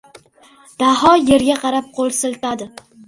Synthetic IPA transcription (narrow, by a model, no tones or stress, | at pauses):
d̪̥aɦɒje̞ɾɡʲaqʰɑɾap̚qʰolˠsɪlt̪ad̪ɪ